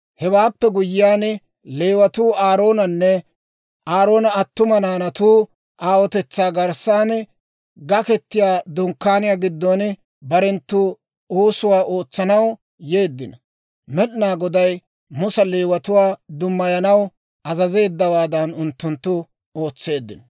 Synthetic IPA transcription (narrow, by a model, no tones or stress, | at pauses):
hɛwaːpːɛɡʊjɪjaːn | leːwɐt̪uːaːɾo̞ːnɐnːɛ | ʔaːɾo̞ːnɐːt̪ːʊmɐnaːnɐt̪uː | ʔaːwɔt̪ɛt͡sːaːɡɐɾsaːn | ɡɐkɛt̪ːɪjaːd̪ʊŋkːaːnɪjaːɡɪd̪ːon | bɐɾɛnt̪ːu | uːsʊwaːʔo̞ːt͡sːɐnɐw | je̞ːd̪ːɪnɐ | mɛɗɪnaːɡɔd̪ɐj | mʊsɐleːwɐt̪ʊwaːd̪ʊmːɐjɐnɐw | ɐzɐze̞ːd̪ːɐwaːd̪ɐnʊnt̪ːʊnt̪ːʊ | o̞ːt͡sːe̞ːd̪ːɪ̰nɐ̥